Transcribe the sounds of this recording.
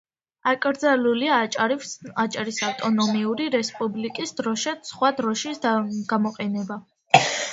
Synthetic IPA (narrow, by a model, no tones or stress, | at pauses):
akʼɾd̪zalulia | at͡ʃʼaɾisaft̪ʼɔnɔmiuɾiɾɛspʼublikʼisd̪ɾɔʃasχwad̪ɾɔʃisɡ̥amɔqʼɛnɛba